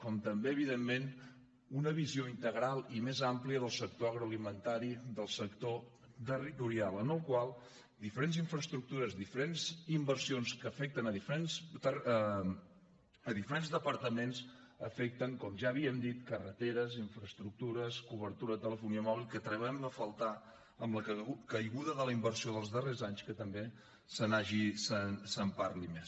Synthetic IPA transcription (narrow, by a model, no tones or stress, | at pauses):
kɔmt̪əmbeəβiðemːen | unəβizioint̪əɣɾalˠimezampliəðəlˠsək̚t̪oəɣɾoəlimənt̪aɾiðəlˠsəkt̪o | t̪ərit̪uɾialˠənəlˠkwalˠ | d̪ifəɾenziɱfɾəst̪ɾuk̚t̪uɾəzd̪ifəɾenzimbəɾsionskəfɛk̚t̪ənəðifəɾensə | əðifəɾenzðəpəɾt̪əmens | əfɛk̚t̪əŋkɔmʒaəβiəmd̪it̪̚kərət̪eɾəziɱfɾəst̪ɾuk̚t̪uɾəskuβəɾt̪uɾət̪ələfuniəmɔβilˠkət̪ɾəβɛməfəlˠt̪a | əmləkkəjɣuðəðələimbəɾsioðəlˠzðərezaɲskət̪əmbe | sənaʒisənsəmpaɾlimes